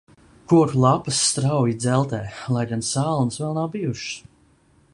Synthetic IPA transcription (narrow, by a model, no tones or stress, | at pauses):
kuɔɾlˠapɨsːt̪ɾawjid̪zɛlˠt̪ɛːlˠajɡansaːlˠnsvɛlˠnawbijuʃs